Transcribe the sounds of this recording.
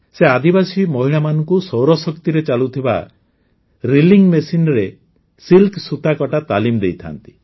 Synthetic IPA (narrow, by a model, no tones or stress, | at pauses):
sead̪ibasimɔɦiɭamanɔŋkusɔwɾɔsɔkt̪iɾet͡ʃalut̪ʰiba̰ | ɾiliŋmesinɾe | silksut̪akɔʈat̪a̰limd̪ejt̪ʰa̰nt̪i̥